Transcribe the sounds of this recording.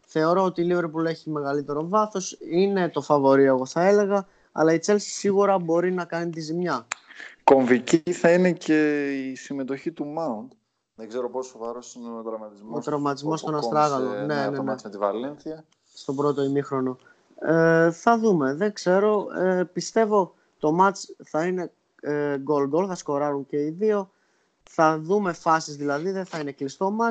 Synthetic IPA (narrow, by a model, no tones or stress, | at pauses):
θe̞o̞ɾo̞ot̪iːlive̞ɾpule̞çime̞ɣɐlit̪e̞ɾo̞vɐθo̞sine̞t̪o̞fɐvo̞ɾieɣo̞θɐe̞le̞ɣɐ | ɐ̰lɐit͡se̞lsi̥siɣuɾɐbo̞ɾinɐkɐnit̪izimɲɐko̞ɱviciθɐine̞ce̞isime̞t̪o̞çit̪umɐunt̪ | ðeŋɡzeɾo̞po̞sovɐɾo̞sineot̪ɾɐvmɐt̪izmost̪ɾɐvmɐt̪izmo̞st̪onɐst̪ɾɐɣɐlone̞nent̪ivɐlenθiɐ | st̪o̞bɾo̞t̪o̞imixɾo̞no̞ | eθɐðume̞ðe̞ŋɡzse̞ɾo̞epist̪e̞vo̞ | t̪o̞mɐt͡sθɐine̞ | ɡo̞ld̪olθɐsko̞ɾɐɾuɲce̞iðio̞ | θɐðume̞fɐsizðilɐðiðe̞θɐine̞klist̪o̞mɐt͡s